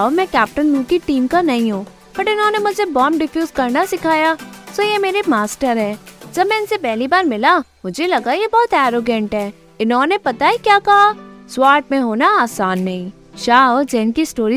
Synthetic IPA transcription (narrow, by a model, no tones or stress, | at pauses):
ɔmɛ̃kɛːp̚ʈənlũːkiʈiːmkanɐɦĩɦõː | pɐʈɪnɦõːnemʊd͡ʒʱebɔːmɖɪfʰjuːzkɐɾnasɪkʰaːjaːsoːjemeːɾemaːsʈəɾɦɛ̃ːd͡ʒɐbmɛ̃ːɪnsepɛɦlibaːɾmɪlamʊd͡ʒʱelɐɡajebɔːt̪ɛːɾoːɡɛ̃ɳʈɦɛː | ɪnɦõːnepɐt̪aɛkjaːkɐɦaswaːɾʈmẽɦoːnaaːsaːnːɐɦĩː | ʃaːɔːd͡ʒɛːɪnkisʈoːɾi